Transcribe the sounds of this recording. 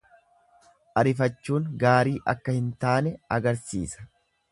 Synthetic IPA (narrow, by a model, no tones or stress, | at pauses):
ʔɐɾɪfɐt͡ʃːuːŋɡaːɾiːʔɐkːɐhɪnt̪aːnɛɐɡɐɾsḭːsɐ̥